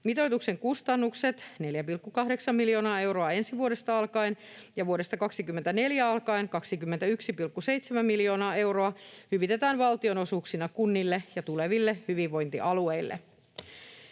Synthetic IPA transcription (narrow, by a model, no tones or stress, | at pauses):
mit̪o̞jt̪ukse̞ŋkust̪ɑnːukse̞t̪ne̞ljæpilkːukɑɦde̞ksɑmːiljo̞ːnɑːe̞wɾo̞ɑe̞nsiʋuo̞ɾest̪ɑɑlkɑinjɑʋuoɾe̞st̪ɑkɑksikymːe̞nt̪æne̞ljæɑlkɑinkɑksikymːent̪æyksipilkːuse̞jt̪semæmːiljo̞ːnɑːe̞wɾo̞ɑhyʋit̪e̞t̪æːnʋɑlt̪io̞nosuːksinɑkunːilːejɑt̪ule̞ʋilːehyʋiʋʋo̞jnt̪ḭʔɑlue̞ilːḛ